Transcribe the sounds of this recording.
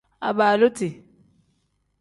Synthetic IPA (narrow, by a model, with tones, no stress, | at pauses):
a̰˨baː˨lo˦tɪ˨